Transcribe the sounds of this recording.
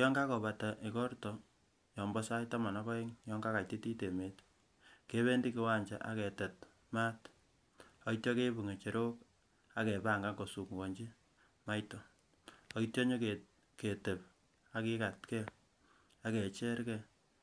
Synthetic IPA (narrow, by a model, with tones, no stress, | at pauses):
jɔ˦ŋɡa˦kɔ˨βa˨ta˨ʔɪ˨kɔ˦rtɔ˨ | jɔ˨mbɔ˦sa˦jta˦ma˨na˦kɔ˦e˦ŋjɔ˦ŋɡa˦ka˨ti˦ti˦te˨me˨t | ke˦βe˦ndi˦kɪ˨wa˦ɲd͡ʒa̰˨ʔa̰˨kɛ˨tɛ˨t | ma˦t | ɔ˦itjɔ˦ke˦bu˨ŋe˨t͡ʃe˨ɾo˦k | a˦kɛ˨pa˦˨ŋɡa˦ɡo˨su˨kŋɡɔ˨ɲd͡ʒi˦ | ma˦jtɔ˨ | ɔ˨i˦tjɔ˦ɲo˦ke | ke˨te˨p | a˦kɪ˦ka˨tkɛ˦ | a˦kɛ˨t͡ʃɛ˦ɾkɛ˦